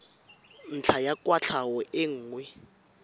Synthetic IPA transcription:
n̩t͡ɬʰajakʼwat͡ɬʰawɔʔɪŋ̩ːŋwɛ

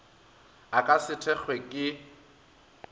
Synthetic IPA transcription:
akʼasɪtʰɛχwekʼɪ

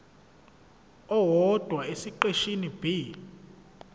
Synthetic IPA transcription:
ɔwɔd̥ʱwaesiǃeʃinib̥ʱi

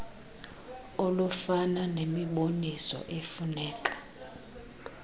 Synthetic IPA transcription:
olufananemiɓonisɔ̰ʔefunɛːkʼḁ

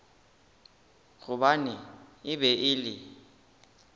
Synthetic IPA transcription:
ɣuɓaniiɓɛʔiːli

